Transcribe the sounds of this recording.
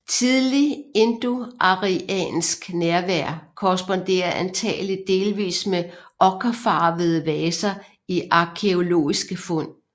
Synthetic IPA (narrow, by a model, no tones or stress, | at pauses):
t͡sʰið̞ˠliend̥oʔɑ̈ʁiɛ̰ːnsɡ̥næɐʋæɐ̰kʰɒʁɛsb̥ɔ̽nd̥e̝̰ːɐʔænt͡sʰɛ̰ːli̥d̥e̝ːlʋḭːsmeʔɒkʰɐfɑ̈ːʋð̞̩ˠəʋɛːsɐ | iʔɑ̈kʰe̝o̝lo̝̰ːisɡ̥əfɔ̽n̰